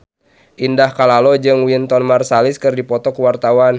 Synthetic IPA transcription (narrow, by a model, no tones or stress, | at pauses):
ʔindahkalalɔd͡ʒɨŋwint̪ɔnmarsalɪskɨrdipɔt̪ɔkuwart̪awan